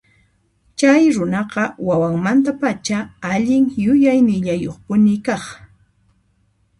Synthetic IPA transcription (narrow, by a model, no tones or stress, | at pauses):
t͡ʃajɾʊnɑqɑwawaŋmant̪apat͡ʃaaʎɪŋjʊjajnɪʎajoχpʊnɪkɑχ